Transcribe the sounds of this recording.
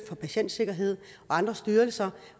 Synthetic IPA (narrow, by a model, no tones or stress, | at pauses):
fɒ̽pʰæɕen̰d̥se̝ɡ̥ɐɦe̝ð̞̰ˠɒ̽ɑ̈nd̥ʁɐsd̥yːɐlsɐ